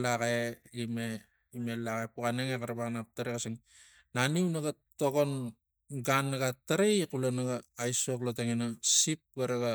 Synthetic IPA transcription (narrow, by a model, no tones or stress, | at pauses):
lakeime | imelakepukaneŋekaɾabaknap̚taɾekasiŋ | naninaɡatoɡo̞n | ɡanːaɡatːaɾekulanaɡaːjsokloteŋenasip̚ɡaɾaɡa